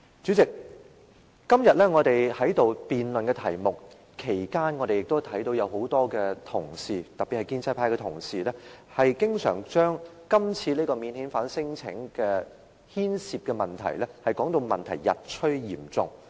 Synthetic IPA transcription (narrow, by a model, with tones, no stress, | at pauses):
t͡syː˨˥t͡sɪ˨k̚ː | ɐ˥mjɐ˨t̚lɛ˥ŋɔː˨˧t̪e˨jhɐ˨˥jt̪o˨wpiː˨nlɵ˨nkɛː˧t̪ʰɐ˨˩jmʊ˨k̚ | kʰːe˨˩jkaː˥nŋɔː˧ɾe˨jɪ˨k̚t̪t̪ʰɐ˨˥jt̪o˨˧wjɐ˨˧who˨˥wt̪ɔː˥kɛː˧t̪ʰʊ˨˩ŋsiː˨˩t̪ɐ˨pːi˨hɐ˨jkiː˥nt͡sʰɐ˥pʰaː˧jkɛ˧t̪ʰʊ˨˩ŋsiː˨lɛ˥hɐ˨jkɪ˥ŋsœ̰ː˨˩ŋt͡ʃœː˥ŋ | kɐ˥mt͡sʰiː˧liː˥kɔː˧miː˨˧nhiː˨˥nfaː˨˥nsɪ˥ŋt͡sʰɪ̰˨˥ŋkɛː˧ | hiː˥nsiː˨p̚kɛ˧mɐ˨nt̪ʰɐ̰˨˩jlɛ˥hɐ˨jkɔː˨˥ŋt̪o˧wmɐ˨nt̪ʰɐ˨˩jjɐ̰˨t̚t͡ʃʰɵ˥ɥjiː˨˩mt͡sʊ̰˨ŋ